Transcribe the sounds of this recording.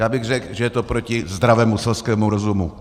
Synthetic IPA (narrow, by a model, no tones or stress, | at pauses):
jaːbɪɣr̝ɛkʒɛjɛt̪opɾocɪzd̪ɾavɛːmusɛlskɛːmuɾo̞zumu